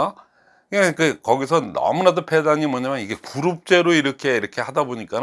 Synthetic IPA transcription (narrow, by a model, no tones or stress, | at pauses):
a | kɯakɯkʌɡisʰʌnʌ̰munadopʰe̞daɲimwʌɲamjʌniɡe̞kuɾup̚t͡ɕ͈e̞ɾoiɾʌkʰe̞iɾʌkʰe̞hadaboɲik͈an